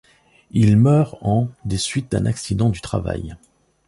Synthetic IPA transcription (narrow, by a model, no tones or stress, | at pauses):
ilmœʁɑ̃d̪esɥit̪̚d̪ɛ̃nʔaksid̪ɑ̃d̪yt̪χa̰va̰j